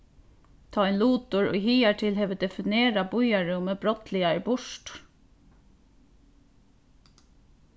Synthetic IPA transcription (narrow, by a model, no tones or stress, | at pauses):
t̪ʰaːɛnluːt̪ʊɹɔ̰jɦiːaʈʰɪlɦɛːʋəd̪ɛfɪneːɾabʊjaɹʊməbɾɔt̪lɪaɪbʊʂʈ